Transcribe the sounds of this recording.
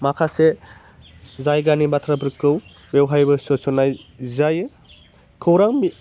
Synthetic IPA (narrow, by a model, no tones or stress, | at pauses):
makʰase | zajɡanibatʰɾapʰɾkɯw | bewɦajbɐsɔsɔnajzajɯ | kʰɯwɾaŋmi